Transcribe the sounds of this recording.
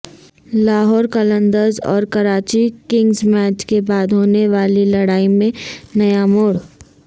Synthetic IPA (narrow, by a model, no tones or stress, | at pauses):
laːɦɔːɾkələ̃nd̪əɾzɔ̰ːɾkɐɾaːt͡ʃikɪ̃ŋɡzmɛːt͡ʃkebaːd̪ɦoːneʋaːlilɐɽaːimẽnɐjamoːɽ